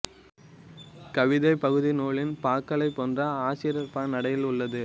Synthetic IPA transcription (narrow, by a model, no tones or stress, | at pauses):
kɐʋɪðɐɪpɐɣɯðɪnoːɭɪnpaːkːɐɭɐɪpːoːndrɐaːt͡ʃɪɾɐɾpaːnɐɽɐjɪlʊɭːɐðɯ